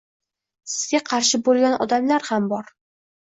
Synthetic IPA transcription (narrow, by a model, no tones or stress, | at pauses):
sɪ̥zɡʲaqʰɑɾʃɪbolˠɡʲanʔɒ̰d̪amlaɾhambɒɾ